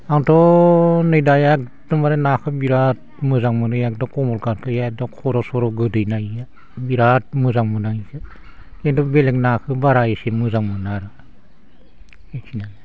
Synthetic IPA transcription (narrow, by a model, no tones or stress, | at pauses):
aŋtʰɔnɯjdajak̚ | dɯmaɾenakʰɯbiɾat̚ | mɯzaŋmɯnɯjak̚dɔkɔmɔlkaɾkʰɯjadɔkʰɔɾɔsɔɾɔɡɯdɯjnaja | biɾat̚mɯzaŋmɯnaisʰɯ | entɔbelek̚nakʰɯbaɾajesemɯzaŋmɯnaɾɯ | ekʰinana